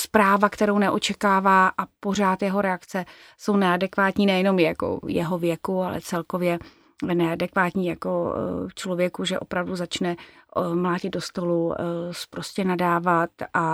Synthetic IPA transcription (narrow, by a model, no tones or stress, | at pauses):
spɾaːvakt̪ɛɾownɛʔot͡ʃɛkaːvaːʔapo̞r̝aːt̪jɛɦo̞ɾɛakt͡sɛ | so̞wnɛadɛkvaːt̪ɲiːnɛjɛno̞mjako̰jɛɦo̞vjɛkualɛ̰t͡sɛlko̞vjɛ | vɛnɛadɛkvaːt̪ɲiːjako̞ft͡ʃlovjɛkuʒɛʔo̞pɾavduzat͡ʃnɛmlaːɟɪd̪̚do̞st̪o̞luspɾo̞scɛnadaːvat̪ʔa